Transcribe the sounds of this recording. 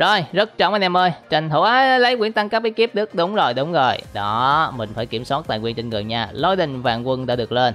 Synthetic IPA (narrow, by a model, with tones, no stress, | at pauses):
zo˨˩jzə˦˥t̚t͡ɕɔ˧˩maː˨˩nɛ˧˩mʔəː˧jt͡ɕa˨˩jŋ̟t̪ʰu˧˩ʔaː˨˦lə˨˦jkwi˧˩ənt̪a˧ŋkaː˦˥k̚ɓi˨˦ki˦˥p̚ɗɨ˦˥k̚ɗʊ˨˦wŋ͡mzo˨˩jɗʊ˨˦ŋ͡mzo˨˩jɗɔ˨˦mï˨˩ŋ̟faː˧˩jki˧˩əmswaː˦˥t̚t̪a̰ː˧˨jkwi˧ənt͡ɕe˧nŋɨ˨˩əjɲaː˧lo˧jɗï˧˨˩ŋ̟va̰ː˧˨nkwə˧nɗa̰ː˧˥ɗɨ˨˩ək̚le˧n